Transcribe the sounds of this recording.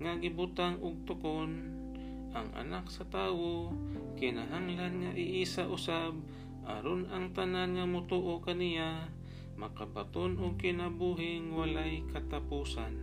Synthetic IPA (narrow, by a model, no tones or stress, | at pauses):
ŋaɡɪbʊt̪aŋʊɡ̚t̪ʊkon | ʔaŋɐ̰naksɐt̪aːwokɪnaɦaŋlanŋaʔɪʔiːsaʔʊsab̚ | ʔa̰ɾonaŋt̪ananŋamʊt̪uːʔokanɪja | mɐkabat̪onʊɡ̚kɪnabuːɦɪŋwalajkɐt̪apuːsan